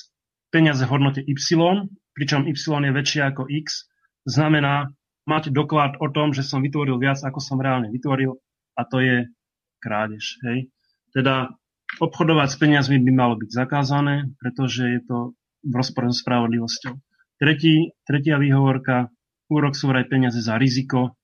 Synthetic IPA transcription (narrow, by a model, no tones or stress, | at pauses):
pɛɲɪazɛvɦɔd̪nɔcɛʔipsilɔnpɾit͡ʃɔmipsilɔnjɛʋɛt͡ʃɪaakɔʔiks | znamɛnaː | maɟd̪ɔklat̪ɔt̪ɔmʒɛsɔmʋit̪ʋɔɾilʋɪad͡zakɔsɔmɾɛaːlɲɛʋit̪ʋɔɾil | at̪ɔjɛ | kɾaːɟɛʃɦɛj | t̪ɛd̪a | ɔpxɔd̪ɔʋacspɛɲɪazmibimalɔbiɟzakaːzanɛːpɾɛt̪ɔʒɛjɛt̪ɔ | ʋɾɔspɔɾɛzɔspɾaʋɔd̪liʋɔscɔʊ | t̪ɾɛciːt̪ɾɛcɪaʋiːɦɔʋɔɾka | uːɾɔksuːʋɾajpɛɲɪazɛzaɾizikɔ